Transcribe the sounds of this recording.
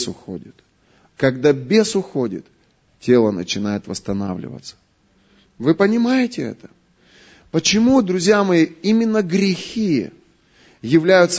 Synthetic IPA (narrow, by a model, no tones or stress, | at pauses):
sʊxo̰dʲɪt̪ | kɐɡd̪abʲesʊxo̞dʲɪ̰t̪ | tʲe̞lˠənə̰t͡ɕɪnajɪt̪vəst̪ɐna̰vlʲɪ̰və̰t̪sə̥ | vɨpənʲɪmajɪtʲɪɛ̰t̪ə̥ | pət͡ɕɪmud̪ɾʊzʲjamɐjiimʲɪnːəɡɾʲɪxʲi | jɪvlʲæjʊt̪s